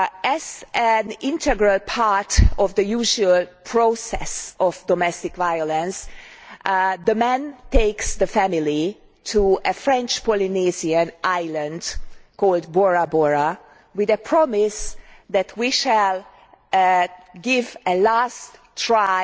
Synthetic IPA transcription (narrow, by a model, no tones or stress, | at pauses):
ʔɛzæ̃nɪ̃ntɛɡɹəlpʰaɹtɔvd̪əjuːʒuəlpʰɹosɛ̰sɔvdɔmɛstɪkvajɔlə̃ns | ðəmɛ̃nteɪksd̪əfæmili | tʰuəfɹɛ̃nt͡ʃpɔliniziə̃nʔajlə̃ndkʰɔːld̚bɔɹabɔɹa | wɪðəpʰɹɔmɪsd̪ætʰwiʃæl | ɡɪvəlastː | ɹa